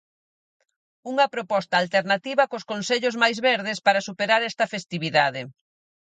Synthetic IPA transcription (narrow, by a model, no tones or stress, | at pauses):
uŋɐpɾopɔst̪aːlt̪eɾnat̪iβɐkoskonseʎozmajzβɛɾð̞ɪspaɾɐsupeɾaɾɛst̪ɐfest̪iβiðaðe